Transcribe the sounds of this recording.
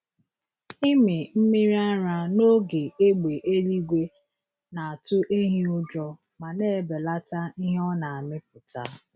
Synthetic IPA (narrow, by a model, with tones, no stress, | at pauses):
i˦mɪ˨m̩˦mi˦ɾi˦a˦ɾa˦no˦ɡe˨e˦ɡ͡be˨ʔe˦li˦ɡʷe˦ | na˨a˨tʊ˦ʔe˦ɦi˦ʊ˦d͡ʒɔ˦ | ma˨ne˦˨be˨la˦ta˦i˦ɦe˦ɔ˦na˨a˨mɪ˦p̚ʊ˨ta̰˦